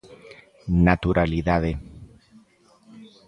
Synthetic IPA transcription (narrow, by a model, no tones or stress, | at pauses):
nat̪uɾʔaliðaðe